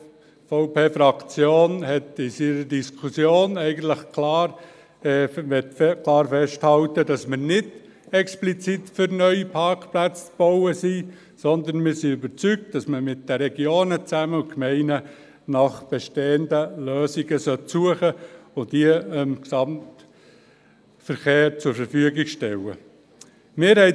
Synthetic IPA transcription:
foʊpeːfɾɑkt͡sjoːnhɛtɪsiɾədiskʰusjoːnɛɪɡən̩t̪ləχklɑːɾ | ɛtkʰlɑːɾfɛʃthɑltəd̥ɑsməɾnɪd | ɛksplit͡sitfʏɾnœʏipʰɑɾkplæt͡st͡sb̥oʊəsi | sɔnd̪ənmɪːɾsiybəɾt͡syk̚t̚d̥ɑsməmɪt̚d̥əɾɛɡjoːnət͡sæməʊkmɛɪnə | nɑχb̥ɛʃteːəndəløːsiɡəsœtsuəχəʊntiəɪmksɑmt | fəɾχeːɾt͡sʊɾfəɾfyəɡɪɡʃtɛlə̰ | mɪːɾhɛɪ

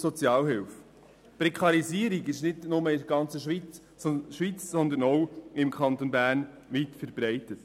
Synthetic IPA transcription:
sɔt͡sjɑːlɦɪlf | pɾɛkʰχɑɾiziːəɾiɡɪʃnɪdnʊməɪdɡɑnt͡səʃʋit͡s | ʃʋit͡ssɔnd̪ənɔwɪmkʰχɑnt̪onbæːɾn | ʋitfɛɾbɾɛɪtət

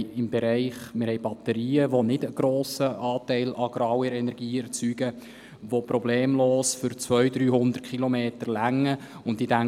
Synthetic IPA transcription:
ɪmbɛɾɛɪχmɪɾhɛɪbɑt̪əɾiːəʋonɪdəɡ̥ɾoːsəʔɑːt̪ɛɪlʔɑɡ̥ɾɑːwɪɾɛnɛɾɡ̥iːɛɾt͡syːɡə | ʋopɾɔbleːmloːsfʏɾt͡sʋœjd̪ɾyːɦʊnd̪ərtkχilɔmeːt̪əɾlæŋːə | ʊntdidæ

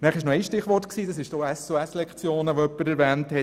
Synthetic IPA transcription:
næːχɪʃnoɛɪsʃtɪχʋɔrtksiːd̥ɑsɪʃd̥oːɛsuɛslɛkχt͡sjoːnəʋoœpːəɾɛɾvæːnthɛ

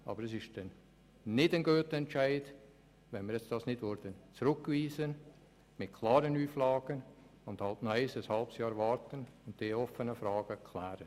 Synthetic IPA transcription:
ɑ̰bəɾəsɪʃdɛn | nɪdənɡøːtəɛnt͡ʃaɪd | vɛnmɪɾjɛt͡sd̥ɑːsnɪdvʊɾd̥ənt͡sɾʊkːviːzən | mɪt̚kʰlɑːɾənyːflɑːɡ̥ən | ʊnd̥hɑltnɔaɪsəshɑlpsjɑːɾvɑːɾtənʊntd̥eːɔfənəfɾɑːɡ̥əkʰlæːɾə

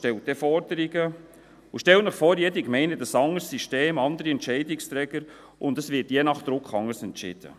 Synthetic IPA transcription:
tɛlt̚d̪̥ɛfɔɾdəɾiɡə | ʊʃtɛltnəχfɔːɾjɛdikmɛɪnəd̥ɑsɑŋːəɾsːiʃteːmɑnd̪əɾiɛntt͡ʃɛɪdɪkst̪ɾɛɡ̥əɾ | ʔʊndɑsvʋɪtjɛnɑχd̪̥ɾʊkχɑŋːəɾsɛntt͡ʃɪ̰d̪̥ə̰

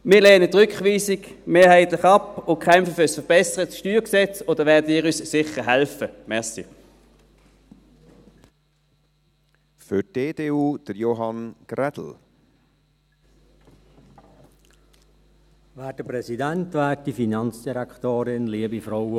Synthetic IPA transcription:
mɪːleːnət̪ʁʏkχʋiːsɪɡ | meːɐhæɪt̪lɪχɑpʊnkʰχɛmfəfʏsfəɐb̥ɛsəʁətʃtyːʁksɛt͡soːd̥əʋɛːɐdəiːʁyssɪχəɦɛlfəmɛɐsḭ | fʏ̥eːd̥eːuːd̥əɾjoɦɑnɡ̥ɾɛd̥l̩ | væːd̥əpʁɛsidæntʋɛːt̚d̥ifinɑnt͡sd̥iʁɛktoːɾɪnliəbifʁɔw

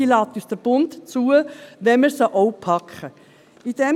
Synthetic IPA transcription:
ilɑːt̪yːsd̥əɾb̥ʊntt͡suːəʋɛnməɾsəʔɔʊpʰɑkχə | id̥̪ɛm

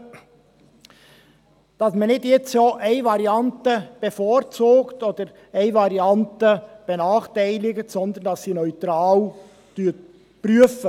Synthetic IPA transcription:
d̥ɑsmənɪdjɛt͡ssoːʔæɪvɑɾiɑntəb̥efɔɾt͡suːkt̪od̪əɾ | æɪvɑɾiɑntəb̥ɛnɑːχtæɪlɪɡətsɔnd̪ənd̥ɑsːiːnœʏt̪ɾɑːw | tyt | pɾyəfə

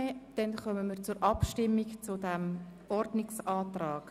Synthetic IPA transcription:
d̥ɛnχœməmiːɾt͡suɾʔɑpʃtɪmːikt͡sudɛm | ɔrdnɪksɑːtrɑːɡ̥

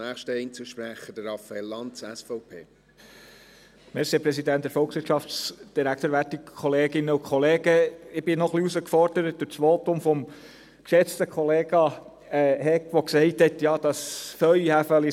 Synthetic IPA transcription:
næːχʃtəɛɪnt͡suʃpɾæχəd̥əɾɾɑfɑelːɑntsɛsfɔʊpʰeː | mɛɾsepɾɛsidænt̚d̥̪ɛɾfɔlkχsʋɪtʃɑftt͡sd̥iɾæktəːɾʋætikʰɔleːɡɪnːəukʰχɔleːɡəɪbɪnɔχliusəkfɔɾd̥əɾət̚dʊt͡sʋɔtʊmfɔm | kʃɛt͡stəkʰɔleːɡ̥ɑ | ɛhɛkʋɔksɛɪthɛtjɑːd̥ɑsfœɥihæfœli

